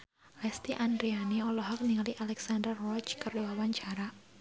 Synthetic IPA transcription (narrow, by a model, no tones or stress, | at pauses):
lɛst̪iʔandɾianiɔlɔɦɔk̚niŋaliʔalɛksandərɔt͡ʃkərduwawaɲt͡ʃaɾa